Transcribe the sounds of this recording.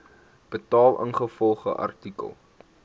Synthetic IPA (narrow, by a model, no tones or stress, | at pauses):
b̥ətɑːlˠʔə̰ŋχəfɔlˠχə̰ʔɐ̰rtikə̰lˠ